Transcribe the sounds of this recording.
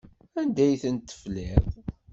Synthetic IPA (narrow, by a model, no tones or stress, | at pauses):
ænd̪æjθənt̪ːə̥flɪðˤ